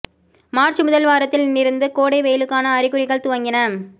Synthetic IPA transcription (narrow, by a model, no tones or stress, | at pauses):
maːɾt͡ʃɯmʊðɐlʋaːɾɐt̪ːɪlnːɪɾɯnd̪ɯkoːɽɐɪʋejɪlɯkːaːnɐːɾɪɣɯɾɪɣɐɭt̪ʊʋɐŋɡɪnɐ